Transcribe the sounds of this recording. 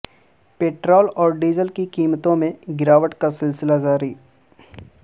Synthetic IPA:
peːʈɾɔːlɔːɾɖiːzəlkikiːmt̪õmẽɡɪɾaːʋəʈkasɪlsɪlad͡ʒaːɾiː

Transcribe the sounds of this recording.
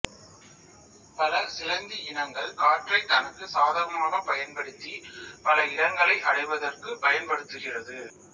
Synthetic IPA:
pɐlɐsɪlɐnd̪iɪnɐŋɡɐɭkaːʈrɐɪt̪ːɐnɐkːɯsaːðaːɾɐmɐmaːɣɐpɐjɐnpɐɽɯt̪ːipɐlɐɪɽɐŋɡɐɭɐɪʔɐɽɐɪʋɐðɐrkɯpɐjɐnpɐɽɯt̪ːɯɣɪrɐðɯ

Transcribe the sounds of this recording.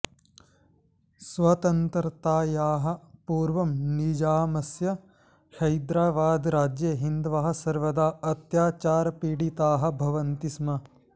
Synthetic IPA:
sʋɐt̪ɐnt̪ɐɾt̪aːjaːɦɐ̆puːɾʋɐmnid͡ʒaːmɐsjɐ | hɐjd̪ɾaːʋaːd̪ɾaːd͡ʒjɐɦind̪ʋaɦɐ̆sɐɾʋɐd̪aːɐt̪jaːt͡ʃaːɾɐpiːɽit̪aːɦɐ̆bʱɐʋɐnt̪ismɐ

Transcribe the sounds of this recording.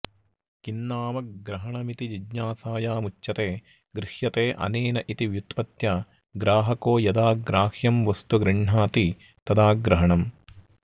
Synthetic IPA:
kinːaːmɐk̚ɡɾɐɦɐɳɐmit̪id͡ʒid͡ʒɲaːsaːjaːmut͡ʃʃɐt̪eː | ɡɾɪhjɐt̪eːʔɐ̰neːnɐʔit̪iʋjut̪pɐt̪jaː | ɡɾaːɦɐkoːjɐd̪aːɡɾaːhjɐmʋɐst̪uɡɾiɳɳaːt̪i | t̪ɐd̪aːɡɾɐɦɐɳɐm

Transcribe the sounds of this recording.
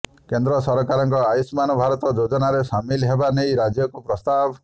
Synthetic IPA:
kend̪ɾɔsɔɾɔkaɾɔŋkɔajismanɔbʱaɾɔt̪ɔd͡ʒod͡ʒɔnaɾesamilɦebanejɾad͡ʒjɔkupɾɔst̪abʱ

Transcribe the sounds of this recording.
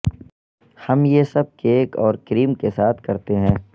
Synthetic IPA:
hɐmjesɐb̚keːkɔːɾkɾiːmkesaːt̪ʰkɐɾt̪eɦɛ̃ː

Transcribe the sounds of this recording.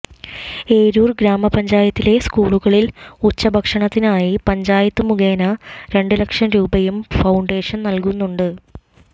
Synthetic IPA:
e̞ːɾuːrɡɾaːmɐpɐɲd͡ʑaːjɐt̪ːile̞skuːɭuɣɐɭilut͡ɕːɐbʱɐkʂɐɳɐt̪ːinaːjipɐɲd͡ʑaːjɐt̪ːɨmuɣeːnɐɾe̞ɳɖɨlɐkʂɐmɾuːbɐjumfɐwuɳɖe̞ːʂɐnnɐlkunːuɳɖɨ

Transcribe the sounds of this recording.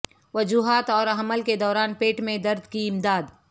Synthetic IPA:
ʋɐd͡ʒuːɦaːt̪ɔːɾɐɦəməlked̪ɔːɾaːnpeːʈmẽd̪ɐɾd̪kiɪmd̪aːd̪

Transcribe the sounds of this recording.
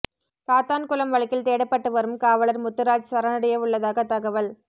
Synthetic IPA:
saːt̪aːnkʊlɐmʋɐɭɪkːɪlt̪eːɽɐpːɐʈːɯʋɐɾɯmkaːʋɐɭɐɾmʊt̪ːɯɾaːd͡ʒsɐɾɐnɐɽɐjɐʋɯɭːɐðaːɣɐt̪ɐɣɐʋɐl

